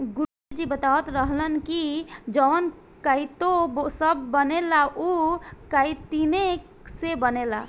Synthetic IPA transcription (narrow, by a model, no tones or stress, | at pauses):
ɡuɾ | d͡ʒibət̪awət̪ɾəɦlənkid͡ʒəwn | kəjt̪osəbːənelaʔukəɪt̪ine | sebənela̰